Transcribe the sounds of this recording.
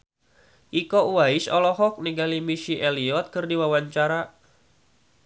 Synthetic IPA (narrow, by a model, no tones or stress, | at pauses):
ʔikɔuwaɪsɔlɔɦɔk̚niɡalimiʃiʔɛliɔt̪̚kɨrdiwawaɲt͡ʃaɾa